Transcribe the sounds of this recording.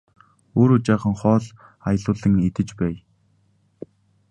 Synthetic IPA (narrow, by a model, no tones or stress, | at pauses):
oːɾut͡ɕaːχə̆ŋχɔːɮ | ajə̆ɮʊːɮə̆ŋet̪ɘ̆t͡ɕpæːj